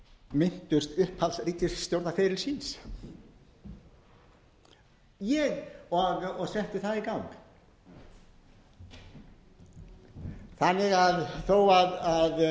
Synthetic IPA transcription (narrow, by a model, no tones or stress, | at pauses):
mɪn̥t̪ʏ̥st̪ʏhphalsriːt̪ɪssːt̪jowɾt̪afɛːɾɪlsiːns | jɛɣɔɣɔɣsɛht̪ɪθaðikawŋk | θanːɪɣaðθowaðað